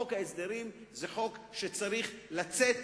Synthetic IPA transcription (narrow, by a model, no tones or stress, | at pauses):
okhaesd̪eʁimzeχo̞kʃet͡saʁiχlat͡set̪